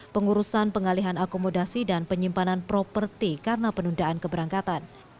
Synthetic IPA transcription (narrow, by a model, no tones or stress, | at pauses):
pəŋuɾusanpəŋaliɦanakomodasidanpəɲimpananpɾɔpərt̪ikarənapənundaʔankəbəɾaŋkat̪an